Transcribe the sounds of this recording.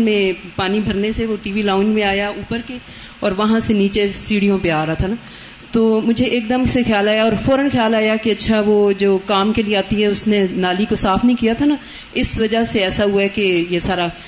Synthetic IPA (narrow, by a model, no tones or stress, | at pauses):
mẽpaːnibʱɐɾneseʋoʈiːʋilãːʊnd͡ʒmẽaːjauːpəɾke | ɔːɾʋɐɦãseniːt͡ʃesiːɽijõpeaːɾɐɦat̪ʰanaː | t̪oːmʊd͡ʒʱeʔeːkd̪əmsexjaːlaːjaɔːɾfɔːɾənxjaːlaːjakeɐtːʃʰaʋod͡ʒoːkaːmkelieaːt̪iɦɛʊsnenaːlikosaːfʰnɐɦĩkijat̪ʰana | ɪsʋɐd͡ʒaɦseɛːsaɦʊaɛkejesaːɾa